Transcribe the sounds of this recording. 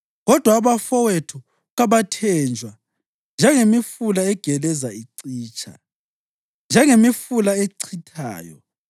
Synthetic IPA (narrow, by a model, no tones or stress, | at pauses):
ɣɔd̥ʱwaːβafɔwetʰu | ɣaβatʰɛːnd͡ʒʱwa | nd͡ʒʱɛŋemifulaɛɡ̥ʱɛlɛzaiǀiːt͡ʃʰʼa̰ | nd͡ʒʱɛŋemifulaeǀʰitʰa̰ːjɔ̰